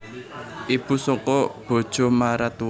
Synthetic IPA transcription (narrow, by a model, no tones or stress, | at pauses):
ʔib̥ṳsɔkɔb̥o̤d̥ʒ̥ɔ̤maɾat̪u